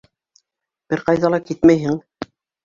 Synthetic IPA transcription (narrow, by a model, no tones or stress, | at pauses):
b̥ɘɾqɑjðɑlˠɑkit̪mæjɦɘŋ